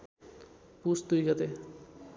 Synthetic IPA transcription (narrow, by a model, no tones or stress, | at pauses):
pusd̪ujɡʌt̪e